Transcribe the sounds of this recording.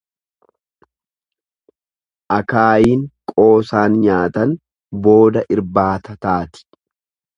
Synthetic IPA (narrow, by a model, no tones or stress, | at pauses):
ʔɐkaːjiːŋkʼo̞ːsaːnɲaːt̪ɐn | bo̞ːd̪ɐʔɪɾbaːt̪ɐt̪aːt̪ɪ̥